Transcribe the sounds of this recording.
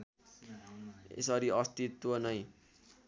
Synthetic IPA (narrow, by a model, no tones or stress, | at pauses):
ḛsʌɾiʌst̪it̪wʌnʌj